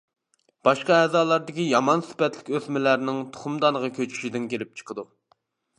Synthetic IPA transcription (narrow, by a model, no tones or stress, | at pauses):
b̥ɑʃqɑɛzɑːlˠɑɾd̪ɪkʲijɑmɑnsɪ̥pɛt̪lɪkʲøsmɪlæɾnɪŋt̪ʰo̥χumd̪ɑnəʁɑkʲʰøt͡ʃʰy̥ʃid̪ɪnkʲelɪp̚t͡ʃʰə̥qʰəd̪u